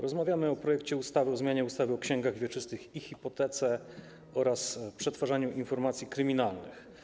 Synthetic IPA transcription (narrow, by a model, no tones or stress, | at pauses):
ɾɔzmavʲjamɘɔpɾɔjɛkt͡ɕɛust̪avɘɔzmʲjaɲɛust̪avɘɔkɕɛŋɡaɣvʲjɛt͡ʂɘst̪ɘxixʲipɔt̪ɛt̪sɛ | ɔɾaspʂɛt̪faʐaɲuʔinfɔɾmat̪sʲjikɾɘmʲinalnɘ̰x